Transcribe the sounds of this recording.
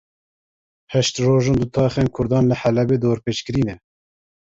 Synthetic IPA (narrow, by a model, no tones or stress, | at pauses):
hɛʃt̪roːʒɑnd̪ut̪ʰɑːxeːnkʰʊɾd̪ɑːnlɨħælɛbeːd̪oːɾpeːt͡ʃkɨɾiːnɛ